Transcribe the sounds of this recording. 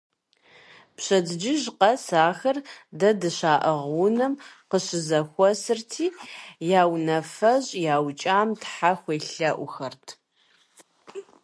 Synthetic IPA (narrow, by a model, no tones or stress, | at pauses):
pɕɐdɨd͡ʒɪʑqɐsaːxɐrdɐdɨɕaːʔɐʁwunɐmqəɕɪzɐxʷɔsɨrtʰiːjaːwnɐfɐʑʼjaːwt͡ʃʼaːmtħaxʷeːɬɐʔʷʊxɐrtʰ